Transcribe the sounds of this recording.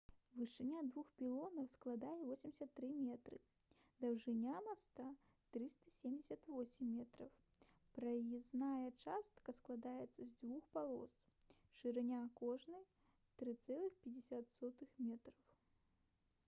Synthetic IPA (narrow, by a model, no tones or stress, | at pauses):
vɨʂɨnʲad̪vuxpʲilˠɔnɐwsklˠad̪ajɛvɔsʲimʲdʲisʲɐt̪ːɾɨmʲɛt̪ɾɨ̰ | d̪ɐwʐɨnʲamast̪a | t̪ɾɨst̪ɐ̥sʲemʲd͡zʲɪsʲɐt̪vɔsʲɪmːʲɛt̪ɾɐw | pɾɐjiznajɐt͡ʂast̪kɐsklˠad̪ajɛt̪sːɐzʲd͡zvuxpalˠɔ̰s | ʂɨɾɨnʲakɔʐnɨj | t̪ɾɨt̪sɛlˠɨxpʲɛd͡zʲɛsʲat̪sɔt̪ɨxmʲɛt̪ɾɐw